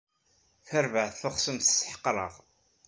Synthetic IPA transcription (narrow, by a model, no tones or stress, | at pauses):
θəɾvəʕθθʊχsəmθsħə̥qːɾˤə̰ʁ